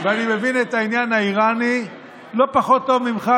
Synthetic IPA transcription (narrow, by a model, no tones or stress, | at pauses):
veanime̞vinet̪ainjanhaiʁani | lo̞paχo̞t̪ːo̞vmimχa